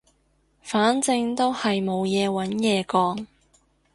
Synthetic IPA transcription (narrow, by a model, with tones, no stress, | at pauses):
faː˨˥nt͡sɪ˧ŋt̪o˥whɐ˨jmo˨˧wjɛː˨˧wɐ˨˥njɛː˨˧kɔː˨˥ŋ